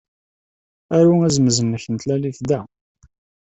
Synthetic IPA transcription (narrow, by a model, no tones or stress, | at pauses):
æɾuæzməzənːəçənt̪lælifd̪æ